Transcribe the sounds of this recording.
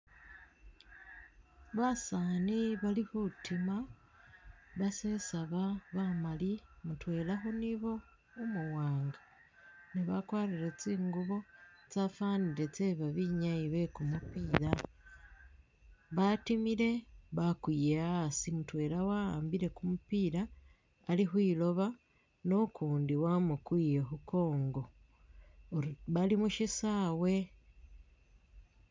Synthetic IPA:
βasaːniβalihutʰima | βasesaβaβamalimutwe̞ːlaɦo̞niβo̞ː | muwaːŋɡa | niβakwaːɾiɾet͡siːŋɡuβo̞t͡safaːniɾe̞t͡seβaβiɲaiβe̞kumupiːɾa | βatimiɾe̞βakwijeasimutwe̞ːɾawahaːmbiɾe̞kumupiːɾaː | liɦwiːlo̞βa | no̞kuːndiwamukwiːjeɦuko̞ːŋɡo̞ | βalimuʃisaːwe̞

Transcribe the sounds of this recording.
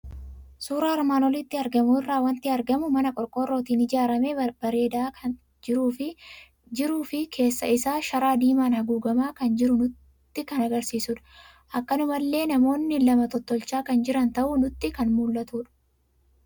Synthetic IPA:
suːɾaːɪɾmaːnɔlɪt̪ːɪɐɾɡɐmuɪrːaːwɐnt̪ɪɐɾɡɐmʊmɐnɐkʼɔɾkʼɔrːoːt̪iːnɪd͡ʒaːɾɐmebɐɾe̞ːd̪aː | d͡ʒɪɾuːfɪ | d͡ʒɪɾuːfɪkʰe̞ːsːɐɪsaːʃɐɾaːd̪iːmaːnhɐɡuːɡɐmaːkɐnd͡ʒɪɾʊnʊ | t̪ːɪkɐnɐɡɐɾsiːsʊᶑɐ̥ | ʔɐkːɐnʊmɐlːe̞ːnɐmo̞ːnːɪlɐmɐt̪ɔt̪ːɔlt͡ʃaːkɐnd͡ʒɪɾɐnt̪ɐʔuːnʊt̪ːɪkɐnmuːlːɐt̪uːᶑɐ̥

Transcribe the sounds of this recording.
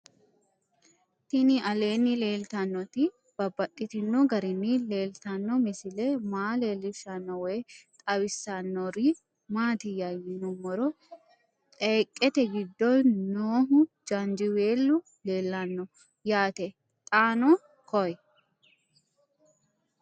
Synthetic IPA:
t̪ɪnɪʔɐle̞ːnːɪle̞ːlt̪ɐnːɔt̪ɪ | b̥ɐbːɐtʼːɪt̪ɪnːɔɡɐɾɪnːɪleːlt̪ɐnːɔmɪsɪlɛmaːle̞ːlːɪʃɐnːɔwɛjt̪ʼɐwɪsːɐnːɔɾɪ | maːt̪ɪjɐjɪnɔmɔɾɔ | ɛːkʼːɛt̪ɛɡɪd̪ːɔjnoːɦʊ | d͡ʒɐnd͡ʒɪweːlːʊ | le̞ːlːɐnːɔ | jaːt̪ɛ | t̪ʼaːnɔ | kɔj

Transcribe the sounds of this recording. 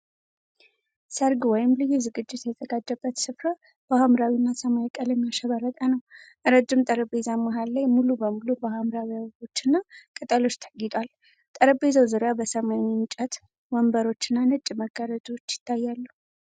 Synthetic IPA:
səɾɡwɔjɪmlɨjːuzɨɡɨd͡ʒːɪt̪jɛzəɡad͡ʒːəbːət̪sɨfɾa | b̥əhamɾawinːasəmajkʼəlɛmːijaʃəβəɾət̪ʼənəwʔɨɾəd͡ʒɨmt̪ʼəɾəbe̞zamaɦalːajmulubəmulubəhamɾawijaβo̞t͡ʃːɨnːakʼɨt̪ʼəlo̞t͡ʃːt̪ʰə̥ɡit̪ʼal | t̪ʼəɾəbe̞zəwzɨɾjabəsəmajɨnt͡ʃʼət̪ | wəmbəɾo̞t͡ʃːɨnːanɨt͡ʃʼməɡaɾəd͡ʒo̞t͡ʃːjɪ̥t̪ʰːajːalːu

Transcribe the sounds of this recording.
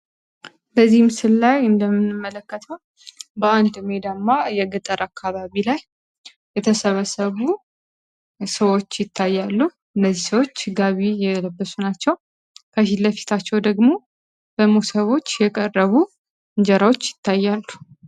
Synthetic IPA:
bəzːihmɨsɨlːajɨnd̪əmːɨnɨmːələkːət̪ʰəw | bəand̪ɨmed̪amːajɛɡɨt̪ʼəɾakʰːaβaβilaj | jɛt̪ʰəsəβəsəβu | səwo̞t͡ʃːjɪt̪ʰːajːalːu | ɨnːəzːisəwot͡ʃːɡaβijɛləbːəsunat͡ʃːɛw | kʰəʃilːəfi̥t̪ʰat͡ʃːɛwd̪əɡmo̞ | b̥əmosəβo̞t͡ʃːjɛkʼərːəβu | ɨɲd͡ʒɛɾawo̞t͡ʃːjɪt̪ʰːajːalːu

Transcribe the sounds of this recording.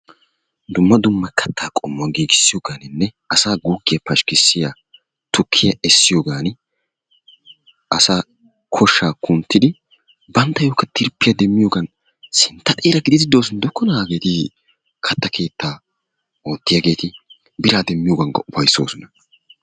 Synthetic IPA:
d̪ʊmːɐd̪ʊmːɐkʰɐt̪ʰːaːkʼɔmːʊaɡiːɡɪsːɪjoːɡaːnɪnːɛʔɐsaːɡuːɡːɪjɐpɐʃkɪsːɪjaː | t̪ʊkʰːɪjɐɛsːɪjoːɡaːnɪ | ʔɐsaː | kʰɔʃːaːkʰʊnt̪ːɪd̪ɪ | bɐnt̪ːɐjoːkːɐt̪ɪɾpːɪjɐd̪ɛmːɪjoːɡɐn | sɪnt̪ːɐt̪ʼeːɾɐɡɪd̪ɪd̪ɪd̪o̞ːsɔnd̪ɔkːɔnɐaːɡe̞ːt̪ɪ | kʰɐt̪ːɐkʰe̞ːt̪ːaː | o̞ːt̪ːɪjɐɡe̞ːt̪ɪ | bɪɾaːd̪ɛmːɪjoːɡɐŋɡɐ̰ʔʊpɐjsːo̞ːsɔnɐ

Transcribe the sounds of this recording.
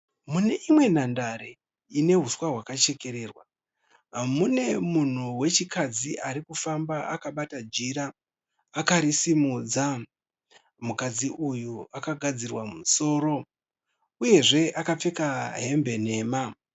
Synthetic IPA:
mune̞ʔimwe̞n̤andaɾe̞ | ine̞ɦuswaɦwakat͡ʃe̞ke̞ɾe̞ːrwa | mune̞mun̤uwe̞t͡ʃikad͡ziʔaɾikufambaa̰kaɓatad͡ʒiɾaː | kaɾisimuːd͡za | mukad͡ziujuakaɡʱad͡zirwamuso̞ːɾo̞ | uje̞ʐe̞ʔakap͡fe̞kaɦe̞mbe̞ne̞ːma

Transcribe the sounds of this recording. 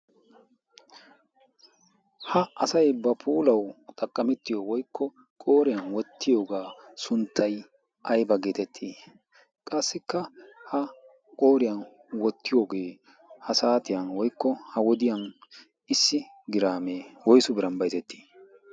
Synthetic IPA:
hɐɐsɐjbɐpʰuːlɐwt̪ʼɐkʼːɐmɛt̪ːɪjowɔjkʰːɔ | kʼo̞ːɾɪjɐnwɔt̪ʰːɪjo̞ːɡaː | sʊnt̪ʰːɐj | ʔɐjbɐɡeːt̪ɛt̪ʰːiː | kʼɐsːɪkːɐhɐ | kʼoːɾɪjɐn | wɔt̪ʰːɪjo̞ːɡe̞ː | hɐsaːt̪ɪjɐnwɔjkːɔhɐwɔd̪ɪjɐn | ɪsːɪ | ɡɪɾaːmeːwɔjsʊbɪɾɐnbɐjt̪ɛt̪ːi̥ː

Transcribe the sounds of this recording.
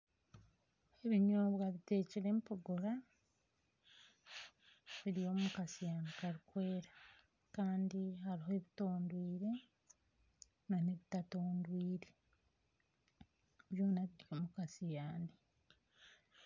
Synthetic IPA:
e̞βiɲoβwaβite̞ːciɾe̞mpoɡoɾa | βiɾijo̞mukasijaːndikaɾikwe̞ːɾa | kaːndiɦaɾiɦoe̞βito̞ːndwiːɾe̞ | naneβitatoːndwiːɾe̞ | βjo̞ːnaβiɾioːmukasijaːndi

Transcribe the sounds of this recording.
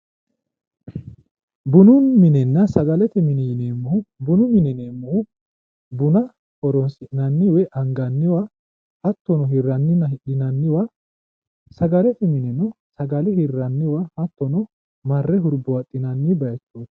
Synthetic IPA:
bʊnʊmɪnɛnːɐsɐɡɐlɛt̪ɛmɪnɛjneːmːʊhʊbʊnʊmɪnɛneːmːʊhʊ | bʊnɐ | hɔɾɔnsɪʔnɐnːɪwɛʔɐŋɡɐnːɪwa | hɐt̪ːɔnɔɦɪrːɐnːɪnːɐhɪᶑɪnɐnːɪwa | sɐɡɐlɛt̪ɛmɪnɛnɔ | sɐɡɐlɛhɪrːɐnːɪwahɐt̪ːɔnɔ | mɐrːɛɦʊɾbʊɐt̪ʼːɪnɐnːɪbɐjɐt͡ʃːu̥ː

